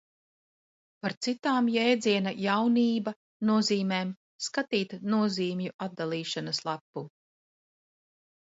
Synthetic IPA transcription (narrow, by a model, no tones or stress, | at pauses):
paɾt̪sit̪aːmjɛjd̪ziɛnajawniːba | nuɔziːmeːm | skat̪iːt̪nuɔziːmjuʔad̪̚d̪alˠiːʃanɐslˠapːu